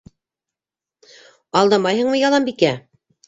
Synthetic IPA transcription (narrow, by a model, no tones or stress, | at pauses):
ɑlˠd̪ɑmɑjɦɤɴmɤjɑlˠɑmbikæ